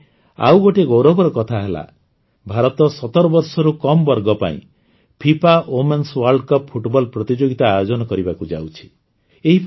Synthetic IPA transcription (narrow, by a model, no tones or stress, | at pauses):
a̰wɡoʈeɡowɾɔbɔɾɔkɔt̪ʰaɦela̰ | bʱaɾɔt̪ɔsɔt̪ɔɾɔbɔɾsɔɾukɔmbɔɾɡɔpa̰ḭ̃ | pʰipaʔomenswaɾɖkɔppʰuʈbɔlpɾɔt̪id͡ʒoɡit̪aːjod͡ʒɔnɔkɔɾibakud͡ʒa̰wt͡ʃʰi̥ | eɦipʰ